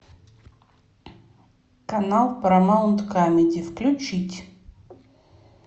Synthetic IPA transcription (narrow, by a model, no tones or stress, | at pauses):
kɐnalˠpɾɐmaunt̪kamʲɪd̪ʲɪfklʲʊt͡ɕitʲ